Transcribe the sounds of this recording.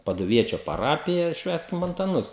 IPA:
pɐdʊˈʋʲiɛt͡ʃʲoː pɐˈrɑːpʲɪjɛ ˈʃʲʋʲæːsʲkʲɪm ɐntɐˈnʊs

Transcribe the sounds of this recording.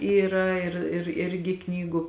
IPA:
ˈiːrɐ ɪr ɪr ˈɪrʲɡʲɪ ˈknʲiːɡʊ

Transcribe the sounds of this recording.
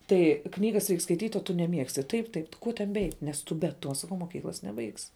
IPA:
ˈtɐɪ ˈknʲiːɡɐs rʲɛɪk skɐɪˈtʲiːtʲ oː tʊ nʲɛˈmʲiɛksʲtʲɪ ˈtɐɪp ˈtɐɪp ˈkuɔ tʲɛn bʲɛˈɛɪtʲ nʲɛs ˈtʊ bʲɛ ˈtuɔ sɐˈkɐʊ moːˈkʲiːklˠɐs nʲɛˈbɐɪksʲɪ

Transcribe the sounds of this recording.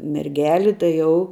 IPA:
mʲɛrʲˈɡʲæːlʲɪ tɐɪ ˈjɛʊ

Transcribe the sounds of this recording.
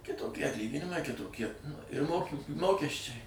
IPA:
kʲɪtoːˈkʲiɛ ɐtʲˈlʲiːɡʲɪnʲɪmɐɪ kʲɪtoːˈkʲiɛ ɪr ˈmoːkʲɪ ˈmoːkʲɛsʲt͡ʃʲɛɪ

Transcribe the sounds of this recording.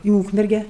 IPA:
ɪ ˈuːkmʲɛrʲɡʲɛ

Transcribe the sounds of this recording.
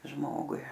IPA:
ˈʒmoːɡʊɪ

